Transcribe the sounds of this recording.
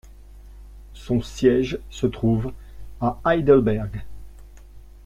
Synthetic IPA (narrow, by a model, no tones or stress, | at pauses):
sɔ̃sjɛʒsət̪χuv | aajd̪əlbɛʁɡ